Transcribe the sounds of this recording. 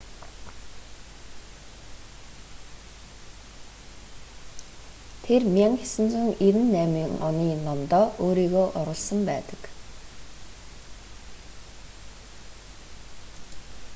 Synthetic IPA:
t̪ʰermʲjaŋxasɘ̆nt͡sɵ̆ŋiɾɘ̆nːæːmiŋɔ̰niːnɔmt̪ɔːʔoːɾiːɣoːʔɔɾʊ̆ɮsə̆mpæːt̪ə̥̆k

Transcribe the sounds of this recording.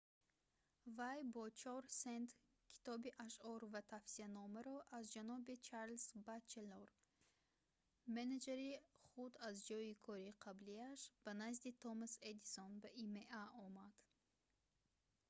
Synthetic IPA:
vajbɔt͡ʃʰɔɾsent̪ | kʰi̥t̪ɔbiʔaʃɔɾvat̪ʰafsianɔməɾɔʔazd͡ʒanɔbit͡ʃʰaɾlsbat͡ʃːeloɾ | mened͡ʒeɾiχud̪azd͡ʒɔikʰɔɾiqʰabliaʃb̥ɐnazd̪it̪ʰɔmased̪isonbɐʔimeʔaɔmad̪̥

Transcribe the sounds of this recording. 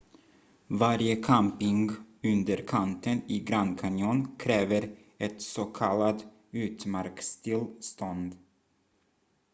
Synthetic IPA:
vaɾjəkʰampɪŋɡɵnd̪əɾkʰant̪ənɪɡɾankʰanjuːnkʰɾɛːvəɾ | ɛt̪sɔkʰalad̪ | ʉ̟ːt̪maɾkst̪ʰɪlst̪ɔnd̪

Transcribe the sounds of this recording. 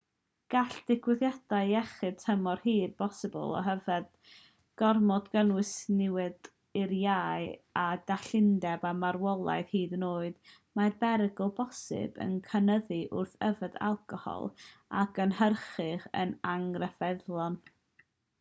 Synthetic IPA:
ɡ̥aɬd̥ɪɡʰwɪðjad̥aɨɛχɨtʰəmɔrhiːd̚b̥ɔsɪbɔ̰lˠɔ̰ɦəvɛd | ɡ̥ɔrmɔdɡənwɨsnɪwɨd | ɪɾjaːjadaɬɪndɛbamaɾwɔlˠa̰jð̥hiːdnoːɨd | marbɛɾəɡɔlˠbɔsɪ̰bə̰nkʰənəðiʔʊ̰rθəvəda̰lˠkʰɔhɔ̰lˠa̰ɡənhərχɪχə̰naŋrɛfɛðlˠɔn

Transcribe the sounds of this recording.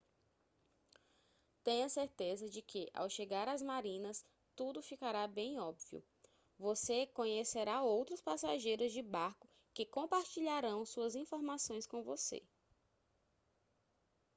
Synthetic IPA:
t̪ẽj̃ɐseɾt̪ezɐd͡ʒɪkʰɪʔa̰wʃeɡaɾazmaɾĩnɐs | t̪ud̪ʊfikaɾabẽj̃ɔbviʊ̰ | vosekõɲeseɾaowt̪ɾʊspasaʒejɾʊzd͡ʒɪbaɾkʊ | kɪkõpaɾt͡ʃiʎaɾɐ̃w̃suɐzĩfoɾmasõj̃skõvosḛ

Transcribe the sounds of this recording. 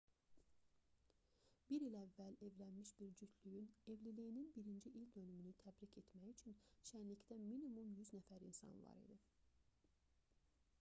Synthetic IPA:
b̥iɾilævːælevlænmiʃbiɾd͡ʒyt̪ʰlyjynevlilijininbiɾind͡ʒiʔilʲd̪ønymynyt̪ʰæbɾicʰet̪mæjyt͡ʃʰynʃænlict̪æminimumjyznæfæɾinsɑ̰nvˠɑ̰ɾḭd̪i

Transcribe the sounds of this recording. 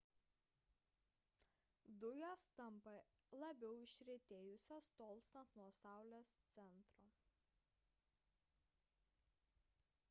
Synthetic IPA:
d̪ʊjoːst̪ɐmpɐ | lˠɐbʲɛʊɪʃʲɾʲɪt̪ʲeːjʊsʲost̪oːlˠʲˑst̪ɐt̪nuɔsɑˑʊlʲeːst̪sʲɛnt̪ɾo

